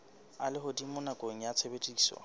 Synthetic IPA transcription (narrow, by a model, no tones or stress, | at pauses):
alɪɦʊdimʊnakʼoŋ̩jat͡sʰebetʼisɔ̰